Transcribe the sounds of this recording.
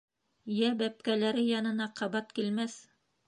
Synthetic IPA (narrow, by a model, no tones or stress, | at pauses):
jæbæp̚kælæɾɘjɑnɤ̆nɑqɑβɑt̪kilmæθ